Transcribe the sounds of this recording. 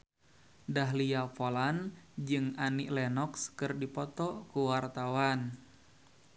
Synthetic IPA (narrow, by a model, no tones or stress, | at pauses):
daɦliapɔland͡ʒɨŋaniʔlɛnɔkskɨrdipɔt̪ɔkuwart̪awan